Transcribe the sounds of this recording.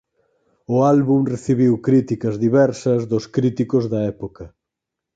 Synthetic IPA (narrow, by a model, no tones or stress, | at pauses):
ʊalβumreθiβiwkɾit̪ikɐzðiβɛɾsɐzðʊskɾit̪ikʊzðɐɛpokɐ